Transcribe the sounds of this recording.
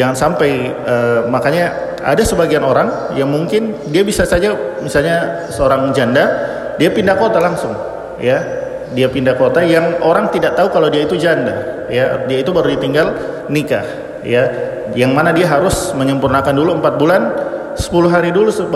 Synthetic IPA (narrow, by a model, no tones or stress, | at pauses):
d͡ʒaŋansampaj | əmakaɲa | a̰dasəbaɡianoɾaŋ | jaŋmuŋkɪndiabisasad͡ʒamisalɲa | səoɾaŋd͡ʒanda | diapindahkot̪alaŋsʊŋ | ja | diapindakot̪ajaŋoɾaŋt̪idaʔ̚t̪aukaladiait̪ud͡ʒanda | jadiait̪ubaɾudit̪iŋɡal | nika̰h | ja | jaŋmanadiaɦaɾʊsməɲəmpurnakanduluəmpat̪̚bulan | sə̥pulʊɦaɾidulusə